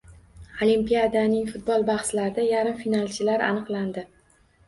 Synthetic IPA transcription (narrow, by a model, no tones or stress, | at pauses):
olimpijad̪anɪŋfʊt̪̚bɒlˠbaχslaɾɪd̪ajaɾɪmfinalˠt͡ʃʰɪlaɾʔa̰nɨqlˠand̪ɪ